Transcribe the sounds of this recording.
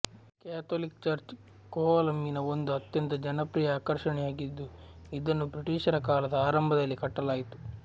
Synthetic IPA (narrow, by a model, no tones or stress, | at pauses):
kaːt̪ʰoːlik̚t͡ʃɐɾt͡ʃ | koːɐlɐmːinɐond̪uɐt̪jɐnt̪ɐd͡ʒɐnɐpɾiːjɐaːkɐɾʃɐɳɛjaːɡid̪ːuid̪ɐnːubɾiʈiːʃɐɾɐkaːlɐd̪ɐaːɾɐmbʱɐd̪ɐlːikɐʈːɐlaːjit̪u̥